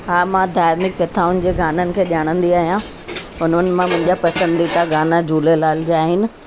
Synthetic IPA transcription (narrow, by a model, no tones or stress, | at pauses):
ɦaːmãd̪ʱaːɾnɪk̚kɐt̪ʰaːʊnɪ̆d͡ʑeːɡaːnənɪ̆kʰeːɗaːɽ̃ə̃nd̪iaːɦijã | ʊnənɪ̆mãmʊ̃ɦɪ̃ɲd͡ʑapɐsə̃nd̪it̪ʰaɡaːnad͡ʑuːlelaːlɪd͡ʑeaːɦɪnɪ̆